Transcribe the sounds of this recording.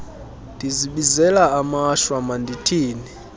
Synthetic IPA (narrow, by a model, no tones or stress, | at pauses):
ndiziɓizɛlaamaʃwamanditʰiːni